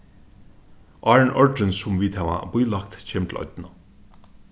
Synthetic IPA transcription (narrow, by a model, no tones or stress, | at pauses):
ʔɑːɹənʔɔɹɖənsʊmʋiːt̪hæːʋa̰bʊjlak̚t̪cʰeːmt̪ʰlʔɔ̰d̪nə